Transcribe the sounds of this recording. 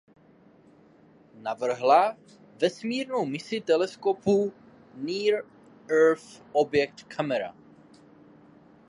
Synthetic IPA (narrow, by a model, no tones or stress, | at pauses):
navr̩ɦla | vɛsmiːɾnowmɪsɪt̪ɛlɛskopu | niːɾ | ɛɾfobjɛk̚t̪kʰamɛɾa̰